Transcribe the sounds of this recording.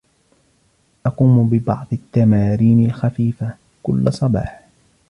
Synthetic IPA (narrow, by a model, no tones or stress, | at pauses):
ʔɑquːmbɪbɑ̰ʕd̪ˤɪt̪ːamaːɾiːnɪlxafiːfa | kʊlːasˤɑbɑ̰ːħ